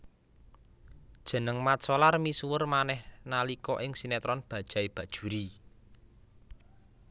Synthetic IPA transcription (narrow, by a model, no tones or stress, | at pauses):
d̥ʒ̥ə̤nəŋmat̪sɔlarmisuwərmanɛhnalikɔʔɪŋsinɛt̪ɾɔnb̥ä̤d̥ʒ̥a̤ib̥ä̤d̥ʒ̥ṳɾi